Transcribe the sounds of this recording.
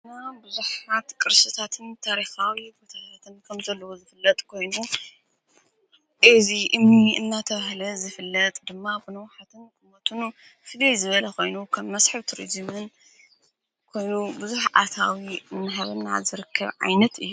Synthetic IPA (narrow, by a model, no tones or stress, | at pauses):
ɨnabɨzuħat̪kʼɨɾsɨt̪ʰat̪ʰɨnt̪ʰaɾixawibot̪ʰat̪ʰat̪ʰɨnkʰɐmzɐlːɐwozɨfɨlːɐt̪ʼkʰo̞jnu | ʔɨziʔɨmniɨnːat̪ʰɐβahlɐzɨfɨlːɐt̪ʼd̪ɨmːabɨnɐwħat̪ʰɨnkʼɨmɐt̪ʰɨn | fɨlejzɨβɐlɐkʰo̞jnukʰɐmːɐsħɨβt̪ʰɾḭzɨmɨn | kʰo̞jnubɨzuħʔa̰t̪ʰawiɨnːɨħaβɨna̰zɨɾɨkʰːɐβʕa̰jnɐt̪ɨ̰jːu